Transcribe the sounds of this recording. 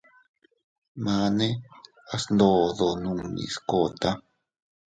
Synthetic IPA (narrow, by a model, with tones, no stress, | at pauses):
mã˧˦nẽ˦ | a˧snd̪o˧˨ðo˨nũ˧˨ḭ̃˨sko˧˨t̪a˦